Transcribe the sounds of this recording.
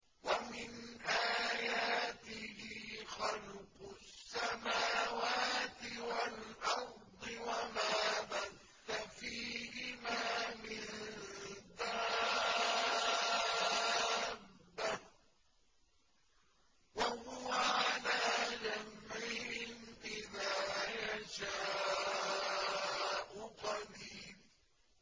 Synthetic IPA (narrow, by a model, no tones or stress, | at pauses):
wamɪnʔaːjaːt̪ɪhiːxɑlqʊsːamaːwaːt̪ɪwalʔɑɾd̪ˤɨwamaːbaθːafiːhɪmaːmɪn | d̪a | bːa | wahʊwaʕalaːd͡ʒamʕɪhɪnbɪðaːjaʃaː | ʔʊqɑdiːb